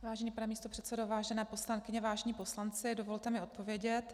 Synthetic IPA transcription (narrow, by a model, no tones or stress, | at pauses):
vaːʒɛniːpanɛmiːst̪o̞pr̝̥ɛt̪sɛdovaːʒɛnɛːpo̞slankɪɲɛvaːʒɛɲiːpo̞slant͡sɪdo̞vo̞lt̪ɛmɪo̞t̪̚po̞vjɛɟɛt̪